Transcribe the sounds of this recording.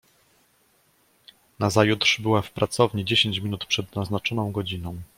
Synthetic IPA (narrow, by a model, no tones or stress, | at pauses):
nazajut̪ʂbɘwafpɾʔat̪sɔvɲid͡ʑeɕeɲt͡ɕmʲinut̪pʂɛd̪naznat͡ʂɔnɔ̃w̃ɡɔd͡ʑinɔ̃w̃